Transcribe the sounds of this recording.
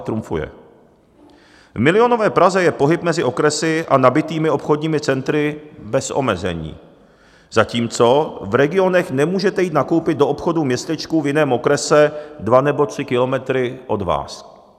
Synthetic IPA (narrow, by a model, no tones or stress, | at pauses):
t̪ɾumfṵjɛ̰ | vmɪlɪo̞novɛːpɾazɛjɛpo̞ɦɪp̚mɛzɪʔo̞kɾɛsɪʔanabɪt̪iːmɪo̞pxo̞dɲiːmɪt͡sɛnt̪ɾɪbɛsʔo̞̰mɛzɛ̰ɲḭː | z̥aciːmt͡so̞vɾɛɡɪo̞nɛxnɛmuːʒɛt̪ɛjiːt̪nako̞wpɪd̪̚do̞ʔopxo̞dumɲɛst̪ɛt͡ʃkuvjɪnɛːmo̞kɾɛsɛdvanɛbo̞t̪r̝̥ɪkɪlo̞mɛt̪ɾɪʔo̞dva̰ːs